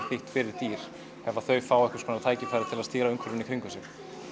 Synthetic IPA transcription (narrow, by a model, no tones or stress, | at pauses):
fɪht̪fɪɾɪɾ̥t̪iːɾ̥ | hɛvaθœɥfaːwɛhkʏskʰɔnat̪ʰaːjcɪfɾajɾɪt̪ʰɪlaðst̪iːɾaʏŋkʰvʏɾvɪnɪkʰɾiŋkʏsɪm